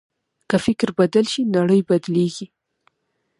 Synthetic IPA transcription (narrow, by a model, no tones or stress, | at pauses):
kəfɪkɾbad̪əlʃinaɽəjbad̪leɡi